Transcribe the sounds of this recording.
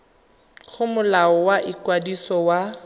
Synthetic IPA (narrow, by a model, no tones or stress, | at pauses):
ɣʊmʊlaɔwaʔikwadisɔwa